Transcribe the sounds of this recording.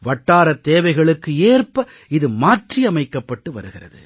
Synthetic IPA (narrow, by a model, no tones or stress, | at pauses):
ʋɐʈːaːɾɐt̪ːeːʋɐɪɣɐɭɯkːɯeːrpɐ | ɪðɯmaːʈriɐmɐɪkːɐpːɐʈːɯʋɐ̰ɾɯɣɪrɐ̰ðɯ̰